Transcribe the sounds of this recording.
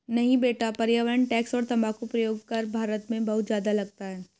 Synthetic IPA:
nɐɦĩbeːʈapɐɾjaʋɾəɳʈɛːksɔːɾt̪ɐmakopɾɐjoːɡ̚kɐɾbʱaːɾət̪mẽbɐɦʊt̪zjaːd̪alɐɡ̚t̪aɦɛː

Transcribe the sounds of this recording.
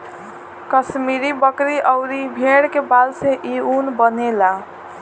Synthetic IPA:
kəsmiɾibəkɾiʔʌʊɾibʱeɽkebalseʔiunbənela

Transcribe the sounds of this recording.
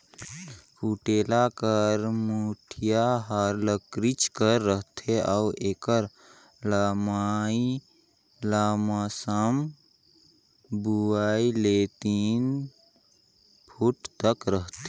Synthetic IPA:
pʰuʈeːlakəɾmuːʈʰijaɦaɾləkɾit͡ʃkəɾːəɦt̪ʰeaʔeːkəɾ | ləmaːi | lamasəm | buailet̪in | pʰuʈʰt̪əkɾəɦt̪ʰe

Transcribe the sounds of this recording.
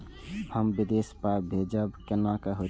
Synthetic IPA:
həmbid̪espabʱed͡ʒəbkenakəɦo

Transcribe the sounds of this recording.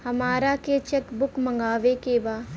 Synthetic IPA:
hɐmaːɾaket͡ʃɛkbʊkmɐ̃ŋɡaːʋekebaː

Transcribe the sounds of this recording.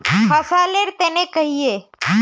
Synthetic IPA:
ɦɐsaleɾt̪enekəɦie

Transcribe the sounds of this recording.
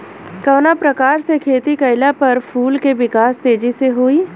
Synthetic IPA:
kɐːnapɾɐkaːɾsekʰeːt̪ikɐɪlapɐɾpʰuːlkeʋɪkaːst̪eːd͡ʒiseɦoːiː

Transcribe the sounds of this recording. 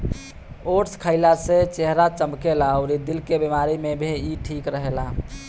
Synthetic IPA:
oʈskʰəɪlaset͡ʃeɦɾat͡ʃəmkelaəʊɾid̪ilkebimaɾimebʱeiʈʰikɾəɦela

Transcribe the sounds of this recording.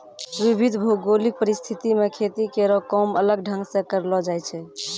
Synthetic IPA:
ʋibʱid̪ʱbʱoɡolipəɾist̪ʰit̪imekʰet̪ikeɾɔkɔmələɡ̚ɖʱə̃ŋɡsẽkəɾlɔd͡ʒajt͡ʃʰɛ

